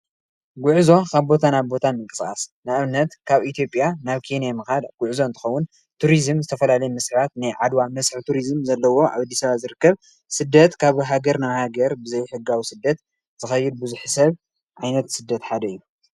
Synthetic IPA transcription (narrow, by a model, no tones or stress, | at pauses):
ɡʊʕzo̞kʰaβbo̞t̪ʰanaβbo̞t̪ʰamɨŋkʼɨsʼa̰snaʔɨβnɐt̪kʰaβit̪ʰjo̞pʼjanaβkʰenijamɨxad̪ɡ̥ʊʕzoɨnt̪ʰɨ̥xɐwːʊn | t̪ʰuɾizɨmzɨt̪ʰɐfɐlalɐjmɐsβat̪̚najʕad̪wamɐsħt̪ʰuɾizɨmzɐlːɐwo̞ʔa̰βad̪ːi̥sɐβazɨɾɨkːɐβ | sɨd̪ːɐt̪kʰaβɦaɡɐɾnaβhaɡɐɾbɨzɐjħɨɡːawisɨd̪ːɐt̪ | z̥ɨxɐjːɪd̪̚bɨzuħsɐβ | ʕajnɐt̪sɨd̪ːɐt̪ħad̪ɐɨjːu